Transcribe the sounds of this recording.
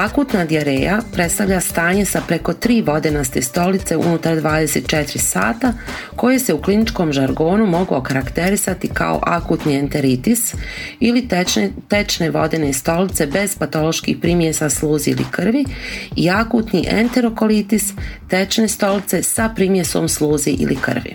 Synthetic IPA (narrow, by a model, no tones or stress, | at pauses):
akuːt̪nad̪iaɾejapɾe̞t̪st̪avʎast̪aːɲe̞sapɾe̞ko̞t̪ɾiːʋo̞d̪enast̪e̞st̪o̞lit̪se̞ṵnut̪aɾd̪ʋaːd̪ese̞t̪̚t͡ʃet̪ɾisa̰ːt̪a | ko̞jese̞uklinit͡ʃko̞ːmʒaɾɡo̞ːnumo̞ɡokaɾakt̪e̞ɾisat̪ika̰o̰ʔakuːt̪nient̪e̞ɾit̪isilit̪et͡ʃne̞ʋo̞̰d̪enest̪o̞lit̪se̞be̞z̥pat̪o̞lo̞ʃkḭːxpɾimjesaslˠuːziilḭkr̩ʋiiakut̪niʔḛnt̪e̞ɾo̞ko̞lit̪ist̪et͡ʃne̞st̪o̞lit̪se̞sapɾimjeso̞̰msluːziʔḭlikr̩ʋḭ